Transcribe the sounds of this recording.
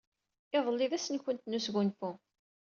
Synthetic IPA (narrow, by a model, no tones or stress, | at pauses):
eðˤəlːiðæsənçənt̪nusɣʊnfu